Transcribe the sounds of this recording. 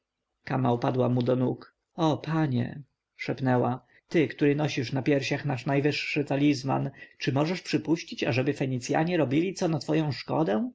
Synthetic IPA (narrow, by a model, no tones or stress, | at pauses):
kamaupad̪wamud̪ɔnuk | ɔpaɲɛ̰ | ʂɛpnɛwa | t̪ɘkt̪uɾɘnɔɕiʂnapʲjɛɾɕaxnaʂnajvɘʂːɘt̪alʲizma̰nt͡ʂɘmɔʐɛʂpʂɘpuɕt͡ɕit͡ɕaʐɛbɘfɛɲit̪sʲja̰ɲɛɾɔbʲilʲit̪sɔnat̪fɔjɔ̃w̃ʂkɔ̰d̪ɛ̃